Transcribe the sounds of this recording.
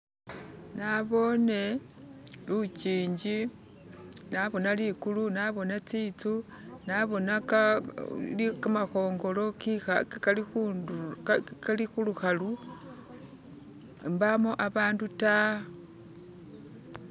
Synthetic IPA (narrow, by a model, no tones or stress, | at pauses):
naβo̞ne̞ | lut͡ʃiːɲd͡ʒi | naβo̞nalikulunaβo̞net͡sit͡su | naβo̞naa | likamaxo̞ːŋɡo̞lo̞kixaalixu | kalixuluxalu | mbamoʔaβaːnduta